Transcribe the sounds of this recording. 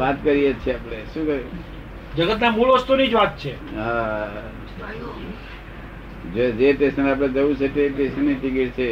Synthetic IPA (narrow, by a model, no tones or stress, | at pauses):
ʋat̪kəɾijet͡ʃʰeəpneʃũkəɾi | d͡ʒəɡət̪namulʋəst̪unid͡ʒʋat̪̚t͡ʃʰeɦã | d͡ʒed͡ʒeʈesənap̬ɽed͡ʒəut͡ʃʰeʈeʈesənːiʈikiʈ̚t͡ʃʰe